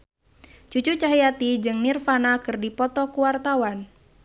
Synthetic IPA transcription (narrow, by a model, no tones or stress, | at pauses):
t͡ʃut͡ʃut͡ʃaɦijat̪id͡ʒɨŋnɪrfanakɨrdipɔt̪ɔkuwart̪awan